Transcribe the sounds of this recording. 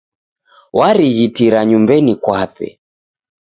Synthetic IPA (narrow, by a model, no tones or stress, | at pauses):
waɾiɣitiɾaɲumbɛnikwapɛ̰